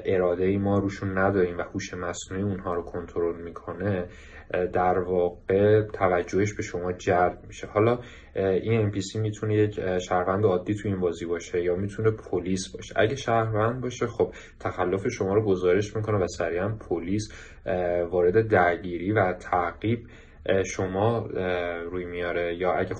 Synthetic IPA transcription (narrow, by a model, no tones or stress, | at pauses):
ʔe̞ɾɒːd̪e̞jimɒːɾuːʃunːæd̪ɒːɾiːmvæhuːʃemæsnuːiunɦɒːɾokʰo̞nt̪ʰoɾo̞lmiːkʰo̞ne̞ | d̪æɾvɒːɣ̥e̞t̪ʰævæd͡ʒːo̞heʃbe̞ʃo̞mɒːd͡ʒæld̪miʃe̞hɒːlɒː | ʔinempʰisimit̪ʰune̞jecʰʃæhɾvænd̪eɒːd̪ːiːt̪ʰuiːnbɒːziːbɒːʃe̞jɒːmit̪ʰune̞pʰoliːsbɒ̰ːʃḛʔæ̰ɟeʃæhɾvænd̪̚bɒːʃe̞xo̞b̥̚ | t̪ʰæxælːo̞fe̞ʃo̞mɒːɾoɡo̞zɒːɾeʃmikʰo̞nevæsæɾiænpʰoliːs | vɒːɾe̞d̪e̞d̪æɾɟiːɾiːvæt̪ʰæʔɣiːb | ʃo̞mɒː | ɾuːjmijɒːɾe̞jɒːæɟæ